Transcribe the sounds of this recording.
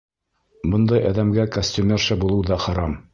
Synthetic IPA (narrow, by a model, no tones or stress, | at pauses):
bɤ̆nd̪ɑjɑðæmɡækosʲt̪ʲʉmʲerʃɘbulˠɤwðɑχɑɾɑm